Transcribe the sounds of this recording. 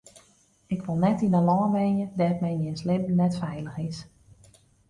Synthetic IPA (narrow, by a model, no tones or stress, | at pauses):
ɪkʋolˠnɛtinəlɔːbɛnjədɛtmɛjnjɪnslɪmnɛtfɛjləxɪs